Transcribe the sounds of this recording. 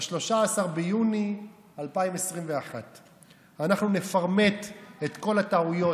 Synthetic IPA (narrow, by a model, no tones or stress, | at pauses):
ʃlo̞ʃaːsaʁbejuni | alpaimesʁimveaχat̪ | anaχnunefaʁme̞t̪et̪ko̞lat̪aujo̞